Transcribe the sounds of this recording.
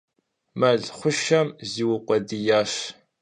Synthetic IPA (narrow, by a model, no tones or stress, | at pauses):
mɐɮχʷʊʃɐmziːwʊqʷʼɔdijaːʃ